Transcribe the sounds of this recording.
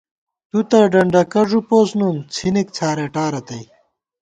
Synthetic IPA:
t̪ut̪ɐɖɐɳɖɐkɐʐupoːsnuːnt͡sʰinek̚t͡sʰaːɾeʈaːɾɐt̪ɐj

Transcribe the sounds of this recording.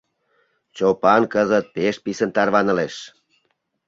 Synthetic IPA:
t͡ɕopɑnkəzət̪̚peʃ̚pisənt̪ɑrβɑnə̆leʃ

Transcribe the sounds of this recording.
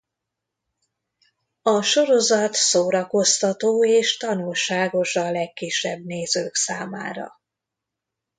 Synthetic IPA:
ɒʃo̞ɾo̞zɒt̪soːɾɒko̞st̪ɒt̪oːeːʃt̪ɒnulʃaːɡo̞ʃɒlɛkːiʃːɛbneːzøːksaːma̰ːɾɒ̰

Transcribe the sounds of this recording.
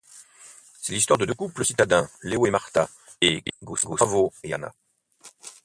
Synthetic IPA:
sɛlis̬t̪waʁd̪əd̪økupləsit̪ad̪ɛ̃leoemaʁt̪a | eɡoɡovoea̰na̰

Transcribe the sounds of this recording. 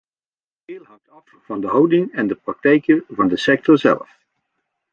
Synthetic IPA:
d̥ɪːlˠɦɑŋtɑfvɑndəɦɑwdɪŋɛndəprɑk̚tɛjkəvɑndəsɛk̚tɔɹzɛ̰lˠf

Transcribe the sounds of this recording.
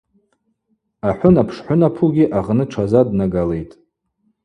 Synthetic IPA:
aħʷʊnapʰʂħʷʊnapʰuɡʲiʔaʁnɨʈ͡ʂʷʰazadnaɡale̞jtʼ

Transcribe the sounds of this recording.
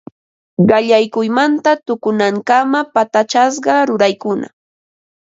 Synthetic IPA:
ɢɑʎajkʊjmant̪at̪ʊkʊnaŋkamapat̪at͡ʃas̬ɢɑɾʊɾajkʊna̰

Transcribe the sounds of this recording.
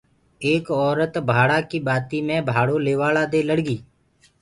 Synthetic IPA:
eːkɔːɾət̪bʱaːɽaːkiːɓaːt̪iːmẽːbʱaːɽoːleːʋaːlaːd̪eːləɽɡiː

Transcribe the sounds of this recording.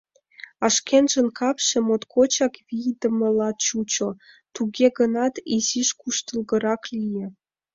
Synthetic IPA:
ɑʃkʲenʒə̆nkɑpʃĕmot̪kʰot͡ɕɑkβʲijd̪ə̆mɤ̆lɑt̪t͡ɕut͡ɕŏ | t̪uɣʲeɡɤ̆nɑt̪iziʃkuʃt̪ə̆lˠɣɤ̆ɾɑklʲijĕ

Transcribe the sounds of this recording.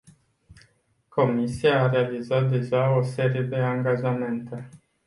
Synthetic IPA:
kʰo̞misiaːɾe̞alizat̪̚d̪e̞ʒao̞se̞ɾije̞d̪e̞aŋɡaʒame̞nt̪e̞

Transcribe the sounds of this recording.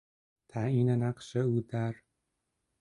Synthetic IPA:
t̪ʰainanaqʃaud̪aɾ

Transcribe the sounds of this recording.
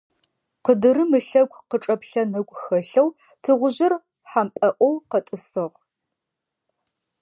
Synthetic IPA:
qədɨrɨmɨɬɐɡʷʼqəʈ͡ʂʼɐpɬɐnɨkʷʼxɐɬɐw | tʰɨʁʷʊʑɪr | ħampʼɐʔʷʼɔwqɐtʼɨsɨʁʷ

